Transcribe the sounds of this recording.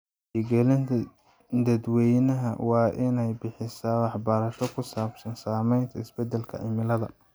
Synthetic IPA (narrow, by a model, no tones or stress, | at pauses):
iɡɛlɪnʰ | d̪ɐd̪wɛjnɐɦɐ̰wɑːʔɪnɛjbɪħɪsaːwɑħbɐɾɐʃɔkʰʊsaːbsɐnsaːmɛjnt̪ʰɐɪsbɛd̪ɛlkʰɐ̰ʕɪmɪlɐðɐ̰